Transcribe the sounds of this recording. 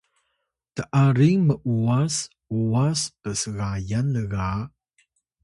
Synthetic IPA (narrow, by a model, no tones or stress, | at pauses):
t̪əʔaɾiŋməʔuas | uaskəsəɣajanləɣa